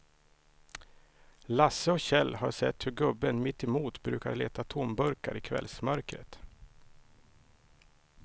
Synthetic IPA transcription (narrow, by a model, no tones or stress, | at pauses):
lasːəɔkɕɛlːha̰ʂɛt̪hɵɾɡɵbːənmɪt̪ːɛmuːt̪bɾʉ̟ːkaɾɭeːt̪at̪ʰʊmbɵɾka̰ɾɪkʰvɛ̰lsmœɾkɾə̰t̪